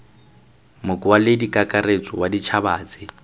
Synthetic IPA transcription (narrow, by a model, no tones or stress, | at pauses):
mʊkʼʊalɪdikʼakʼaret͡sʼɔwadit͡ʃʰabaːt͡sʼɪ